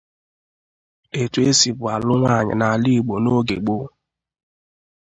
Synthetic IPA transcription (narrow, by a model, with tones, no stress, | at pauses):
e˨tu˨˦e˦si˨bʊ˨a˨lʊ˦ŋʷa˦˨ɲɪ̰˨na˨li˦˨ɡ͡bo˨no˦ɡḛ˨ɡ͡bo˦